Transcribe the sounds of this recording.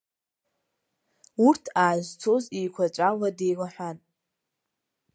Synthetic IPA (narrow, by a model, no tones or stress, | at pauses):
urtʰaːʒʷt͡sʰozijkʷʰat͡ʃʷʼawadejwʷaħʷᶣan